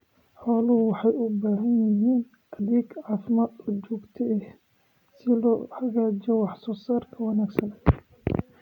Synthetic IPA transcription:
ħɔːlɐhʊwɑħɑjʊbaːɦɐnjɪɦiːn | ʔɐðiːɡʕɑːfɪmaːd̪ɔt͡ʃɔːɡt̪ʰɛɛh | sɪlɔːħɐɣaːd͡ʒt͡ʃɛwɑħsɔːsaːrkʰɐwɑnaːɡsɐnɛ

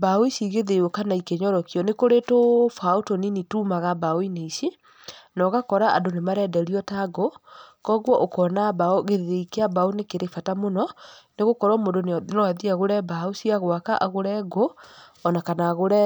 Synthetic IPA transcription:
baoisiɣeðeokanaikeɲɔɾɔkiɔnekoɾetofaotɔninituːmaɣabaoineisi | nɔɣakɔɾaa̰ndonemaɾɛdɛɾiɔtaɡokɔɣwɔʔokɔnabaoɣeðeɾeikeabaonekeɾefatamonɔneɣokɔɾwɔmondonnɔaðiaɣoɾɛbaosiaɣwakaʔaɣoɾɛɡoɔnakanaɣoɾɛ

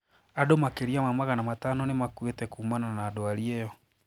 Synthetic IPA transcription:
adomakeɾiamamaɣanamatanɔnemakwetɛkuːmananaːdoaɾiejɔ

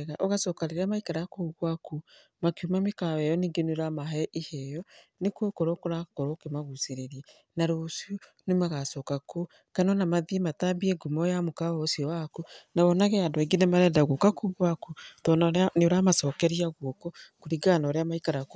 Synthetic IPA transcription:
ɣaʔoɣasɔkaɾeɾamaikaɾakouɣwaku | makiumamekawɛjɔniːŋɡeneɾamaɦɛʔihɛjɔ | nekokoɾokoɾakoɾokemaɣuseɾeɾiɛ | naɾosio | nemaɣasɔkako | kanɔnamaðimatabiɛɡumɔjamokaɔsiɔwakunaβɔnaɣɛandoiɡenɛmaɾɛːndaɣokakuɣwakutɔnaneoɾamasɔːkɛɾiaɣwɔkokoɾiɡanɔɾeamaikaɾak

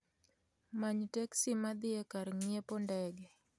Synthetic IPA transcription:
maɲteksimad̪ɪekaɾŋjepondɛɡɛ

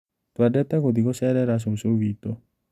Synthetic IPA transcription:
t̪waɖɛt̪ːakod̪ikosɛɾɛɾas̬osoʋit̪o

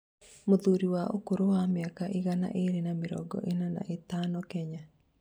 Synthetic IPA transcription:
moðuɾiwaʔo̰koɾowamjakaʔiɣana̰ʔeɾenameɾɔ̰ɡɔ̰ʔenana̰ʔetaːnɔkɛɲa

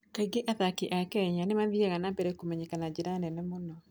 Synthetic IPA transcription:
kaiɡeʔaðakiʔakɛɲanemaðiɛɣanabɛɾɛkomɛɲekanad͡ʒiɾanɛnɛmonɔ

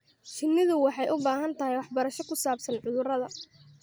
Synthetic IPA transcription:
t͡ʃɪnːɪðʊwɑħɑjʔʊbaːɦɐnt̪ʰɐɦɛjwɑħbɐɾɐʃɔkʰʊsaːbsɐnʕʊðʊrɐðɐ

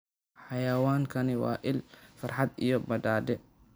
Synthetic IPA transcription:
ħɑjɐwaːŋkʰɐnɪwɑ̰ːʔɪlfɐrħɑd̪ijɔbɐd̪aːd̪ɛ

